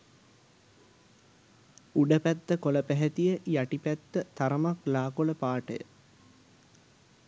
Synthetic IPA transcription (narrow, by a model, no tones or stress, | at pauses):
uɖəpæt̪ːəkoləpæɦɛt̪ijəjaʈipæt̪ːət̪aɾəmaklaːkoləpaːʈə̰jə̰